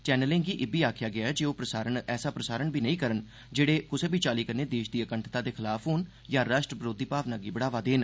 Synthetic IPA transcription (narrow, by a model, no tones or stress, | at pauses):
t͡ʃɛːnəlẽːŋɡiːʔɪbiːaːkʰjaːɡɪaːɦɛːd͡ʒeoːpɾəsaːɾəɳɛːsaːpɾəsaːɾəɳbiːnəĩːkəɾən | d͡ʒeːɽeːkʊseːbʱiːt͡ʃaːliːkəɾneːd̪eːʃd̪iːəkəɳʈʰt̪ãːd̪eːkʰɪlaːpʰɦoːn | jãːɾaːʃʈɾəpɾoːd̪iːpaːʋnãːɡiːbəɽaːʋaːd̪eːn